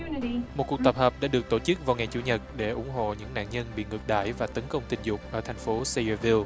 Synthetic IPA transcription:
mo˨˩t̚ku˨˩k̚t̪ə˨˩p̚həː˨˩p̚ɗa̰ː˧˥ɗɨ˨˩ək̚t̪o˧˩t͡ɕɨ˦˥k̚vaː˨˩ŋa˨˩t͡ɕṵ˧˩ɲə˨˩t̚ɗe˧˩ʔʊ˧˩ŋ͡mɦo̰˧˨ɲɨ̰˧˥ŋna̰ː˧˨nɲə˧nɓḭ˧˨ŋɨ˨˩k̚ɗa̰ː˧˨jvaː˨˩t̪ə˨˦nkə˧wŋ͡mt̪ï˧˩nzʊ˨˩k͡p̚ʔəː˧˩t̪ʰjŋ̟fo˨˦se˧ə˧vi˧l

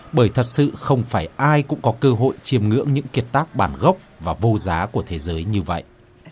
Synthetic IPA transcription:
ɓəː˧˩jt̪ʰə˨˩t̚sɨ̰˧˨xə˧wŋ͡mfaː˧˩jʔaː˧jkʊ̰˧˥ŋ͡mkɔ˨˦kəː˧ɦo̰˧˨jt͡ɕi˨˩əmŋɨ̰˧˥əŋɲɨ̰˧˥ŋki˨˩ət̚t̪aː˦˥k̚ɓaː˧˩nɣə˦˥wk͡p̚vaː˨˩vo˧zaː˨˦ku˧˩ət̪ʰe˨˦zəː˨˦jɲɨ˧və̰˧˨jʔ

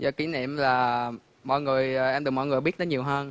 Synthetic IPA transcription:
zɔ˧˩ki˨˦nḭ˧˨əmlaː˨˩ | mɔ̰˧˨jŋɨ˨˩əjʔɛ˧mɗɨ˨˩kmɔ̰˧˨jŋɨ˨˩jɓi˦˥t̚nə˨˦ɲi˨˩wɦəː˧n

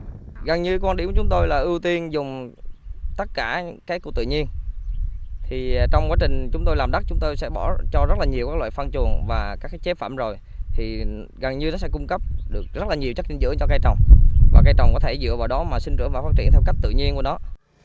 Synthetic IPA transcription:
ɣə˨˩ŋɲɨ˧kwa˧ɗi˧˩mkːt͡ɕʊ˨˦ŋ͡mt̪o˧jlaː˨˩ʔɨ˧wt̪i˧ənzʊ˨˩ŋ͡m | t̪ə˦˥t̚kaː˧˩kaː˨˦˥jkət̪ɨ̰˧˨ɲi˧ən | t̪ʰi˨˩t͡ɕɔ˧wŋ͡mkwaː˨˦t͡ɕï˨˩ŋ̟t͡ɕʊ˨˦ŋ͡mt̪o˧jlaː˨˩mɗa˦˥k̚t͡ɕʊ˨˦ŋ͡mt̪o˧jsɛ̰˧˥ɓɔ˧˩t͡ɕɔ˧zə˦˥t̚laː˨˩ɲi˨˩əwkaː˦˥k̚la̰ː˧˨˩fa˧nt͡ɕu˨˩ənvaː˨˩kaː˦˥kːt͡ɕe˦˥faː˧˩˨mzo˨˩j | t̪ʰi˨˩ | ɣə˨˩ŋɲɨ˧nɔ˨˦sɛ̰˧˥kʊ˧ŋ͡mkə˦˥p̚ɗɨ˨˩ək̚zə˦˥t̚laː˨˩ɲi˨˩wt͡ɕə˦˥k̚t͡ɕï˧˦ŋzɨ̰˧˥ət͡ɕɔ˧kaː˧jt͡ɕə˨˩wŋ͡mvaː˨˩kaː˧jt͡ɕə˨˩wŋ͡mkɔ˨˦t̪ʰe˧˩zɨ̰˧˨əvaː˨˩wɗɔ˨˦maː˨˩si˧ŋ̟t͡ɕɨ̰˧˩əŋvaː˨˩fa˦˥t̚t͡ɕi˧ənt̪ʰɛ˧wkjk̚t̪ɨ̰˧˨ɲi˧ənku˧˩ənɔ˨˦

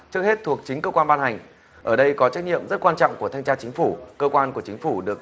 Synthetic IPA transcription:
t͡ɕɨ˦˥ək̚he˦˥t̚t̪ʰu˨˩ək̚t͡ɕï˨˦ŋkəː˧kwaː˧nɓaː˧nha˨˩ŋ̟ | ʔəː˧˩ɗə˧jkɔ˨˦t͡ɕa˦˥k̚ɲḭ˧˨əmzə˦˥t̚kwaː˧nt͡ɕɔ̰˧˨wŋ͡mku˧˩ət̪ʰa˧ŋ̟t͡ɕaː˧t͡ɕï˨˦ŋ̟fu˧˩kəː˧kwaː˧nku˧˩ət͡ɕï˨˦ŋ̟fu˧˩ɗɨ˨˩ək̚

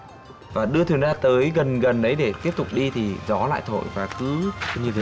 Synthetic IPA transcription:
vaː˨˩ɗɨ˧ət̪ʰwənzaː˧t̪əː˨˦jɣə˨˩nɣə˨˩nɗə˨˦jɗe˧˩t̪i˦˥əp̚t̪ʊ˨˩k͡p̚ɗi˧t̪ʰi˨˩zɔ˨˦la̰ː˧˨jt̪ʰo̰˧˨jvaː˨˩kɨ˨˦ɲɨ˧e˨˦

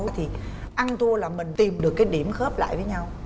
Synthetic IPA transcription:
jt̪ʰi˨˩ | ʔa˧nt̪ʰu˧əlaː˨˩mï˨˩ŋ̟t̪i˨˩mɗɨ˨˩əkːaː˨˦jɗi˧˩əmxə˦˥p̚la̰ː˧˨jvəː˨˦jɲa˧w

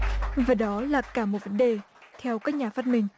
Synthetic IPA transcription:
vaː˨˩ɗɔ˨˦laː˨˩kaː˧˩mo˨˩t̚və˨˦nɗe˨˩ | t̪ʰɛ˧wkaː˦˥k̚ɲaː˨˩faː˦˥t̚mï˨˩ŋ̟

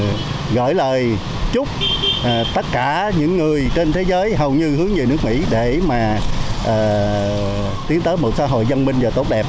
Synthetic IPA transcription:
ɣə̰ː˧˥˩jləː˨˩j | t͡ɕʊ˦˥k͡p̚ʔːt̪ə˦˥t̚kaː˧˩ɲɨ̰˧˥ŋːɨ˨˩əjt͡ɕe˧nt̪ʰe˨˦zəː˨˦jɦə˨˩wɲɨ˧hɨ˨˦əŋɲɨ˨˩nɨ˦˥ək̚mḭ˧˥ɗe˧˩maː˨˩ʔəː˨˩ | t̪i˨˦ənt̪əː˨˦jmo˨˩t̚sa̰˧˦ɦo̰˧˨jzə˧nmï˧ŋ̟vaː˨˩t̪o˦˥t̚ɗɛ˨˩p̚

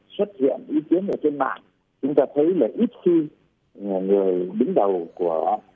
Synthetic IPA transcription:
swə˦˥t̚hḭ˧˨ənʔi˨˦ki˨˦ənʔəː˧˩t̪e˧nma̰ː˧˨ŋ | t͡ɕʊ˨˦ŋ͡mt̪aː˧t̪ʰə˨˦jlaː˨˩ʔi˦˥t̚xi˧˨˩ | ŋɨ˨˩əjɗï˨˦ŋ̟ɗə˨˩wku˧˩ə

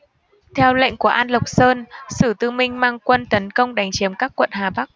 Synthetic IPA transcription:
t̪ʰɛ˧wlə̰˧˨ŋ̟ku˧˩əʔaː˧nlə˨˩wk͡p̚səː˧nsɨ˧˩t̪ɨ˧mï˧ŋ̟maː˧ŋkwə˧nt̪ə˨˦nkə˧wŋ͡mɗa˨˦jŋt͡ɕi˨˦əmkaː˦˥kːwə̰˧˨nɦaː˨˩ɓa˦˥k̚

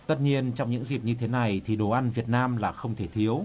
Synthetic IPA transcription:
t̪ə˦˥t̚ɲi˧ənt͡ɕɔ˧wŋ͡mɲɨ̰˧˥ŋzi˨˩p̚ɲɨ˧t̪ʰe˨˦na˨˩jt̪ʰi˨˩ɗo˨˩ʔa˧nvi˨˩ət̚naː˧mlaː˨˩xə˧wŋ͡mt̪ʰe˧˩t̪ʰi˨˦əw

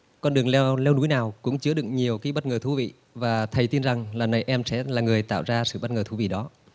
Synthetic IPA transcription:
kɔ˧nɗɨ˨˩əŋ˧lɛ˧wnu˨˦jnaː˨˩wkʊ̰˧˥ŋ͡mt͡ɕɨ˧əɗɨ˨˧˩ək̚ɲi˨˩əwkaː˨˦jɓə˦˥t̚ŋəː˨˩t̪ʰu˨˦vḭ˧˨ | vaː˨˩t̪ʰə˨˩jt̪i˧nza˨˩ŋlaː˨˩nə˨˩jʔɛ˧msɛ̰˧˥laː˨˩ŋɨ˨˩əjt̪a̰ː˧˨wzaː˧sɨ̰˧˨ɓə˦˥t̚ŋəː˨˩t̪ʰu˨˦vḭ˧˨ɗɔ˨˦

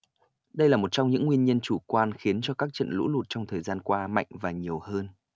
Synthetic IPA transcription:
ɗə˧jlaː˨˩mo˨˩t̚t͡ɕɔ˧wŋ͡mɲɨ̰˧˥ŋːwi˧ənɲə˧nt͡ɕu˧˩kwaː˧nxi˨˦ənt͡ɕɔ˧kaː˦˥k̚t͡ɕə̰˧˨nlṵ˧˥lu˨˩t̚t͡ɕɔ˧wŋ͡mt̪ʰəː˨˩jzaː˧nkwaː˧ma̰˧˨jŋ̟vaː˨˩ɲi˨˩əwhəː˧n

